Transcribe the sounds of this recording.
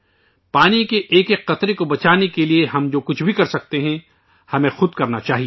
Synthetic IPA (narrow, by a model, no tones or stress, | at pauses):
paːnikeʔeːkekːɐt̪ɾekobɐt͡ʃaːnekelieɦɐmd͡ʒoːkʊt͡ʃʰbʱikɐɾsɐk̚t̪eɦɛ̃ | hɐmẽxʊd̪̚kɐɾnat͡ʃaːɦie